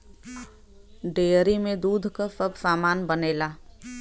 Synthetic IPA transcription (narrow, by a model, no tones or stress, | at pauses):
ɖeːɾimẽd̪uːd̪ʱkasəbsaːmaːnbəneːlaː